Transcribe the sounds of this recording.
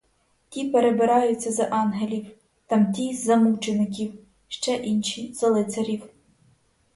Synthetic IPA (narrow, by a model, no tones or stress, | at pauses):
tʲipeɾebɪɾɑjʊt͡st͡sʲːɐzɐʔɑnɦelʲiw | t̪ɑmt̪ʲizɐmut͡ʃenɪk̬ʲiw | ʃt͡ʃɛʔinʃiz̥ɐlˠɪt̪sɐɾʲiw